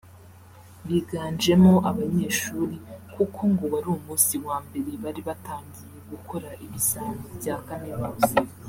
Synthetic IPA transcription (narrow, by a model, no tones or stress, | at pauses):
βiɡaːɲd͡ʒe̞mo̞ʔaβaɲe̞ːʃuːɾikukʰo̞ŋɡo̞βaɾuumuːsiwaːmbe̞ɾe̞βaɾiβataːɲɡije̞ɡukʰo̞ɾaʔiβisanibɟaːkaminuːzi